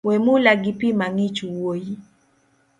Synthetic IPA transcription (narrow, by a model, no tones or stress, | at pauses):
wɛmulaɡipimaŋit͡ʃuwoji